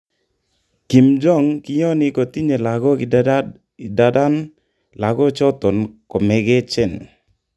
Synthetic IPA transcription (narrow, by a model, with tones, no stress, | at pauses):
ki˨md͡ʒɔ˦˨ŋkɪ˦jɔ˦nɪ˨ko˨t̪i˦ɲe˨la˨ɡɔ˦˨ | da˨˦da˦n | la˨ɡɔ˦t͡ʃɔ˦t̪ɔ˨nkɔ˨mɛ˨ɡɛ˦t͡ʃɛ˦˨n